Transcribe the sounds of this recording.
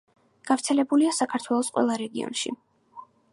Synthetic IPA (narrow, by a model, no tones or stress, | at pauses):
ɡ̥avɾt̪sʰɛlɛbuliasakʰaɾt̪ʰwɛlˠɔsqʼwɛ̰lˠaɾɛɡiɔ̰nʃḭ